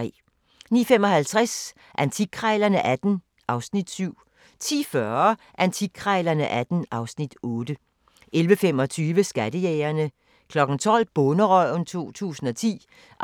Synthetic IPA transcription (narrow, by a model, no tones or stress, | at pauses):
ɛ̰ | niːfemɒ̽hælt͡sʰʁas | ʔænt͡sʰiɡ̥ʰʁɑɪlɐnəʔæd̥n̩ | ʔɑ̈ʊsnid̥syʊ̰ | t͡sʰḭːfɶɐ | ʔænt͡sʰikʰʁɑɪlɐnəʔæd̥n̩ʔɑ̈ʊsnid̥ɔ̽ːd̥ə | ʔelʋəfemɒ̽t͡sʰyːʋəsɡ̥æd̥əjɛːɐnə | kʰlɒ̽ɡ̥n̩t͡sʰɒ̽l̰b̥ɔnəʁœ̰n̩t͡sʰo̝̰ːt͡sʰṵːsn̩ɒ̽t͡sʰḭː